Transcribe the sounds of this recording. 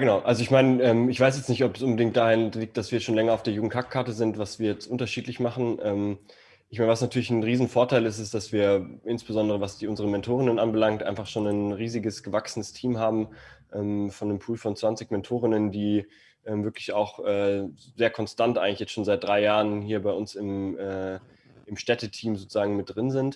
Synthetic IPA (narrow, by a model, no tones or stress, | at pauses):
jaːɡənaʊʔalzoɪçmaɪnəʔɛːmɪçv̥aɪs̬jɛt͡stnɪçtɔpsʔʊnbədɪŋktd̥aːʁɪnliːk̚t̚d̥asv̥iːɐʃoːnlɛŋɐaʊfd̥eːɐjuːɡŋ̩tkʰakkʰaɐtəzɪntv̥asv̥iːɐjɛt͡stʔʊntɐʃiːtlɪçmaχn̩ʔɛːm | ʔɪçmaɪnəvasnatʰyːɐlɪçnʁiːzn̩foːɐtʰaɪlɪstɪstd̥asv̥iːɐʔɪnsb̥əzɔndəʁəvasd̥iːʔʊnzəʁ̞əmɛntʰoːʁɪnənʔanbəlaŋk̚tʔa̰ɪnfaχʃoːnanʁiːzɪɡəsɡ̥əvaksənəstʰiːmɦaːbm̩ʔɛːmfɔnːdəmpʰuːlfɔnt͡sv̥ant͡sɪçmɛntʰoːʁ̞ɪnəndiː | ʔɛːmvɪɐklɪçaʊxʔɛːzeːɐkʰɔnstantʔaɪŋlɪçjɛt͡stʃoːnzaɪt̚d̥ʁaɪjaːʁənɦiːɐbaɪʊnsɪmɛː | ɪmʃtɛtətʰiːmzoːt͡suz̥aːɡŋ̩mɪt̚d̥ʁɪnzɪnt